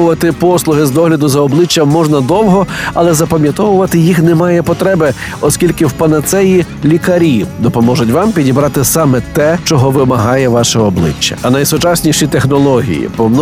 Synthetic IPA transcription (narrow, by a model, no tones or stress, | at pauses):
ʊʋɐt̪ɪpɔslˠʊɦɪzd̪ɔɦlʲɐd̪ʊzɐɔblˠɪt͡ʃːɐmːɔʒnɐd̪ɔwɦɔɐlˠɛzɐpɐmʲjɐt̪ɔʋʊʋɐt̪ɪjixnɛmɑjɛpɔt̪ɾɛbɪ | ɔskʲilʲkɪwpɐnɐt̪sɛjilʲikɐɾʲid̪ɔpɔmɔʒʊtʲʋɑmpʲidʲibɾɑt̪ɪsɑmɛt̪ɛt͡ʃɔɦɔʋɪmɐɦɑjɛʋɑʃɛɔblˠɪ̰t͡ʃːɐ̥̰ɐnɐjsʊt͡ʃɑsʲnʲiʃit̪exnɔlˠɔɦʲḭjḭpɔmn